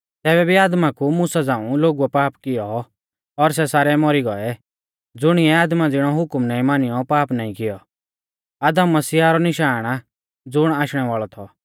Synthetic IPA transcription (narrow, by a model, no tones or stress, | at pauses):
t̪ɛːbɛbʱiaːd̪makumʊsad͡zãːũloːɡuɛpaːpkɪjɔ | ɔɾs̬ɛsaːɾɛmɔɾiɡɔɛ | d͡zʊɽ̃iɛaːd̪mad͡zɪɽ̃ɔɦʊkmnãːĩmaːnɪjɔpaːpnaːĩkɪjɔ | aːd̪əmːɐsiːaɾɔnɪʃaːɽ̃ | d͡zʊɽ̃aːʃɽ̃ɛʋaːɭɔt̪ʰɔ